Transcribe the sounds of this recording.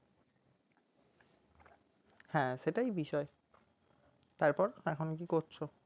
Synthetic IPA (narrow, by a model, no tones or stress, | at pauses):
hɛ̃ʃeʈaibiʃɔe | t̪aɾpɔɾɛkʰonok̬ikoɾt͡ɕʰo